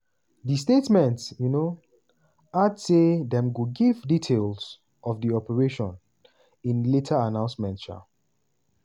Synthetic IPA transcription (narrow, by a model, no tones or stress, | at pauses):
distetmɛ̃ntsjuno | adsedɛ̃mɡuɡivditʰels | ʔɔvdiɔpəɹeʃɔ̃n | ĩnletʰaanãʊ̃nsmɛ̃ntt͡ʃa̰